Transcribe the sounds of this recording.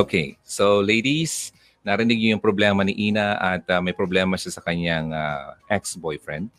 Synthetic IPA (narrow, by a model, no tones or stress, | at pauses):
okʰḛjsowlejd̪is | nɐɾɪnɪɡ̚ɲojʊŋpɾoblɛːmɐnɪʔiːnɐʔɐt̪amɐjpɾoblɛːmɐʃasɐkɐɲaŋa̰ʔɛksbojfɹɛ̰nd̪̚